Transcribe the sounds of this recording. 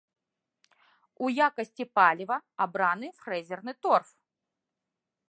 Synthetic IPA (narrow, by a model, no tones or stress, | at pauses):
ujakɐsʲtʲipalʲɪvɐɐbɾanɨfɾɛzʲɛrnɨt̪orf